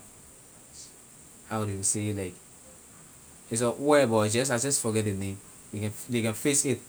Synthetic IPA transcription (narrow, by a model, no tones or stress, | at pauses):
hawdujuselaɪk | is̬ɔwɛbɔd͡ʒɛ̃s̬ad͡ʒɔsfɔɡɛt̚denẽm | jikɛ̃ndekɛ̃nfesit̚